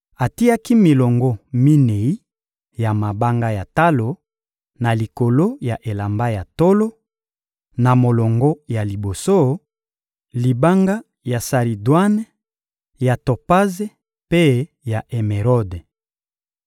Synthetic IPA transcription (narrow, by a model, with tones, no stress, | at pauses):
a˨ti˦a˦ki˦mi˨lɔ˨ŋɡɔ˦mi˦ne˨i˦ | ja˨ma˨ba˦ŋɡa˦ja˨ta˦lo˨ | na˨li˨ko˨lo˦ja˨ʔe˨la˨mba˦ja˨to˦lo˦ | na˨mo˨lɔ˨ŋɡɔ˦ja˨li˨bo˨so˦ | li˨ba˦ŋɡa˦ | ja˨sa˨ʁi˨dwa˦n˦ | ja˨to˨pa˦ze˦ | pe˦ | ja˨ʔe˨me˨ʁɔ˦de˨